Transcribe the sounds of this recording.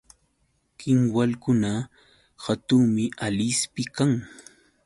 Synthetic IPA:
kʰɪŋwalkʊna | hat̪ʊŋmɪalɪspɪkaŋ

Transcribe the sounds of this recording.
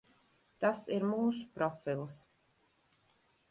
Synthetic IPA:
t̪asiɾmuːsu̥pɾɔfilˠs

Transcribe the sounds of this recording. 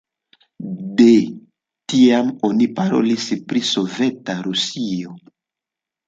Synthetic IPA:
de | tiamo̞nipaɾo̞̰lispɾiso̞ve̞taɾusio̞

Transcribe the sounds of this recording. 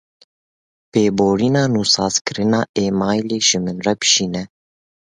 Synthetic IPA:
peːboːɾinɑːnuːsɑːzkɨɾɨnɑːeːmɑːjleːʒɨmɨnrɛpʃiːnɛ

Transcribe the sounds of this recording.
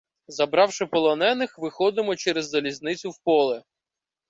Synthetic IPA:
zɐbɾɑwʃɪpɔlˠɔnɛnɪxʋɪxɔd̪ɪmɔt͡ʃɛɾezːɐlʲiznɪt͡sʲʊwpɔlˠɛ

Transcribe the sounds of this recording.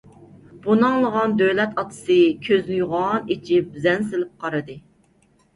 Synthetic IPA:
b̥unɑŋlˠəʁɑnd̪ølɛt̪ɑt̪ʰɨ̥sɨkʲʰøznɪjuʁɑnet͡ʃʰip̚zɛnsɪlɪp̚qʰɑɾɨd̪ɨ

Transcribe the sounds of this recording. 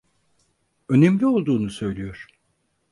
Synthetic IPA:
ø̞nemlʲio̞lˠd̪uːnusø̞jlʲijoɾ̥

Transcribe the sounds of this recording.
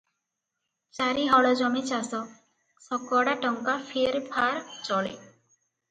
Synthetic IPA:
t͡ʃaɾiɦɔɭɔd͡ʒɔmit͡ʃasɔ | sɔkɔɽaʈɔŋkapʰeɾpʰaɾt͡ʃɔɭḛ

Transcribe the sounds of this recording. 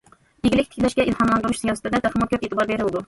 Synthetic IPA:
jeɡʲɪlɪk̚ʲt̪ʰɪ̥kʲlɛʃɡʲɛʔilhɑnlˠɑnd̪ɨɾuʃsijɑsɨ̥t̪ʰɪd̪ɛt̪ɛχʰɑmɑkʲʰøpeːt̪ʰɨbɑɾbeɾɪlɪd̪u

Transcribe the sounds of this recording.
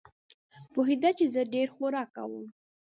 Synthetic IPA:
poɦid̪at͡ʃezəɖeɾxoɾɑka̰wəm

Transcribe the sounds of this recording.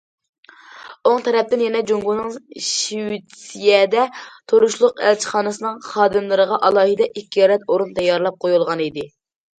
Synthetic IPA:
oŋt̪ʰɛɾɛp̚t̪ɪnjɛnɛd͡ʒoŋɡunɨŋʃiwit̪ʰsijɛd̪ɛt̪ʰoɾuʃlˠʊqæ̰lt͡ʃʰə̥χɑːnɨsɨnɨŋχɑːd̪ɨmlˠɨɾəʁɑʔɑlˠɑːɦɨd̪ɛʔikʲːijɑːlɛt̪oɾunt̪ʰɛjɑɾlˠɑp̚qʰojulˠʁɑnid̪ɪ

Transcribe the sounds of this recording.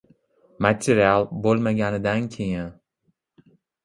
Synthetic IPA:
mat̪ʰeɾialˠbolˠmaɡʲanɪd̪ankʲʰejɪn

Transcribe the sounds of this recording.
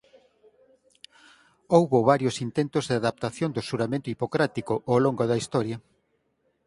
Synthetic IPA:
owβoβaɾjosint̪ent̪ʊzðɪaðap̚t̪aθjond̪ʊsuɾamẽnt̪ʊipokɾat̪ikoʔoloŋɡoðɐist̪ɔɾjɐ

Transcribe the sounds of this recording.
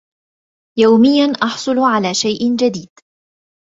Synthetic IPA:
jawmɪjːanʔɑħsˤʊlʕalaːʃajʔɪnd͡ʒad̪iːd̪̥

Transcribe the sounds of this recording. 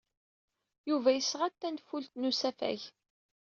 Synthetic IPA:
juvæjəsʁat̪ːænfult̪nusæfæ̰ç

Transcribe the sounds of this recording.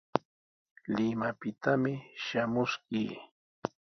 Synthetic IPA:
lɪmapɪt̪amɪʃamʊskiː

